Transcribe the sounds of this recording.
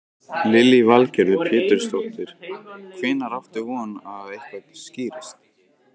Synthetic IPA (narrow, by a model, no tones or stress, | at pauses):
lɪlivalcɛɾðʏpʰɪːt̪ɪɾ̥st̪ɔht̪ɪɾ̥kʰvɪːnaɾaft̪ɪɣɔnaðejhkvat̪sciːɾast̪